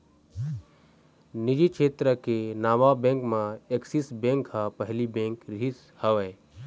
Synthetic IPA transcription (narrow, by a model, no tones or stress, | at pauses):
nɪd͡ʒikʰeːt̪ɾəkenaːʋabẽŋkmãeksisbẽːŋkhapəɦlibẽːŋkɾis | həʋə